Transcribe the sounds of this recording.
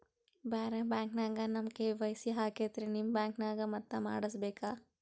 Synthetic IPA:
baːɾebaːŋknaːɡanɐmkeʋɐjsiɦaːkeːt̪ɾenimbaːŋknaːɡamɐt̪ːɐma̰ːɽɐs̬beːkaː

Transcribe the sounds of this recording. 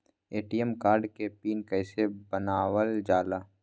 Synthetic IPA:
eːʈiəmkaːɾɖkepiːnkəɪsebənaːwəld͡ʒaːlaː

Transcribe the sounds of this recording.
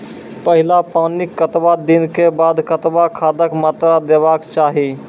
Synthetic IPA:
pəɦɪlapaːnɪkːət̪bad̪inkebaːd̪kət̪bakʰaːd̪əkmat̪ɾad̪eːbakt͡ʃaːɦi

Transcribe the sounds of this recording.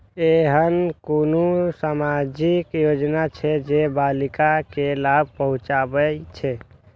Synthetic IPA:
eɦənkonusamad͡ʒikjod͡ʒnat͡ʃʰɛd͡ʒebalikakelab̚ʱpəɦũt͡ʃabəjt͡ʃʰɛ

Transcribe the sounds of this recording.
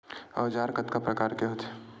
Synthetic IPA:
ɐːd͡ʒaːɾkɐt̪kapɾɐkaːɾkeɦoːt̪ʰe

